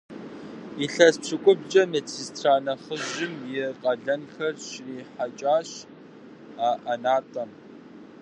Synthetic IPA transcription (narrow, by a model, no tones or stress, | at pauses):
iɬɐspʂʰɨkʷʼʊbt͡ʃʼɐmet͡sʰistʰraːnɐχəʑɪmjɪqʼɐɮɐnxɐrɕriːħat͡ʃʼaːɕ | aːʔɐnaːtʼɐm